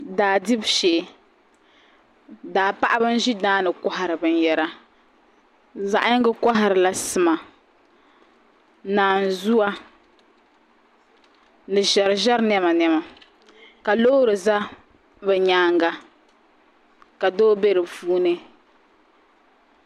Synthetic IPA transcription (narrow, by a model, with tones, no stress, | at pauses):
daː˨di˦bʃeː˨ | daː˨pa˦ʔa˦bɨ˦n̩˦ʒi˦daː˦nɨ˨kɔ˦ɦa˨ɾɨ˨bɨ˦njɛ˦ɾa˦ | za˨ʔɪ˦ɡɨ˦ka˦ɦa˨ɾɨ˨la˨sɨ˨ma˨ | naː˨n˨zu˦wa˦ | nɨ˨ʒɛ˨ɾɨ˨ʒɛ˦ɾnɛ˦ma˨nɛ˦ma˨ | ka˨loː˦ɾɨ˨za˦ | bɛ˨ɲaː˦ŋɡa˨ | ka˨doː˦be˦ɾɨ˨vuː˦nɨ˦